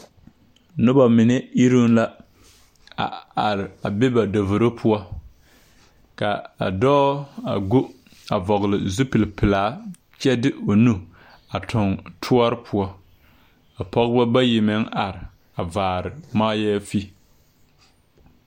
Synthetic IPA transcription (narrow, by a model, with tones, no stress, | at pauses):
nʊ˦ba˨mɪ˨nɛ˦i˦ɾu˦nla˦ | a̰˨a˨ɾɪ˨a˨bɛ˦ba˨do˨vo˨ɾo˦pʰʊ˦ɔ˦ | ka˨a̰˨dɔː˦a̰˨ɡu˦ | a˨vɔ˨ɣlɪ˨zu˦pɪ˨lpɪ˨laː˨˦ | t͡ʃɛ˦dɪ˦ʔo˨nu˦ | a˨tʰʊ˨ŋtʰu˦ɔ˦ɾɪ˦pʰʊ˦ɔ˦ | a˨pɔ˦ɣba˦ba˦ji˨mɛ˦ŋa˨ɾɪ˨ | a˨vaː˨ɾɪ˨maː˦jɛː˦fi˦